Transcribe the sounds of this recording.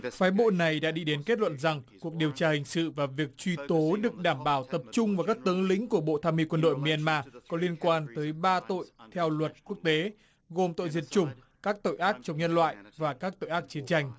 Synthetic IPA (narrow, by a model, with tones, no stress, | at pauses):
faː˨˦jɓo̰˧˨na˨˩jɗa̰ː˧˥ɗḭ˧ɗe˨˦nke˦˥t̚lwə̰˧˨nza˨˩ŋku˨˩ək̚ɗi˨əwt͡ɕaː˧hï˨˩ŋ̟sɨ̰˧˨vaː˨˩vi˨˩ək̚t͡ɕwi˧t̪o˨˦ɗɨ˨˩ək̚ɗaː˧˩mɓaː˧˩wt̪ə˨˩p̚t͡ɕʊ˧ŋ͡mvaː˨˩kaː˦˥k̚t̪ə˨˦ŋlḭ̈˧˥ŋ̟ku˧˩əɓo̰˧˨t̪ʰaː˧mːi˧kwə˧nɗo̰˧˨jmi˧ʔɛ˧nmaː˧kɔ˨˦li˧ənkwaː˧nt̪əː˨˦jɓaː˧t̪o̰˧˨jt̪ʰɛ˧wlwə˨˩t̚ku˦˥ək̚t̪e˨˦ | ɣo˨˩mt̪o̰˧˨jzi˨˩ət̚t͡ɕʊ˨˩ŋ͡m | kaː˦˥k̚t̪o̰˧˨jʔaː˦˥k̚t͡ɕɔ˧wŋ͡mɲə˧nlwa̰ː˧˨jvaː˨˩kaː˦˥k̚t̪o̰˧˨jʔaː˦˥k̚t͡ɕi˨˦ənt͡ɕa˧jŋ̟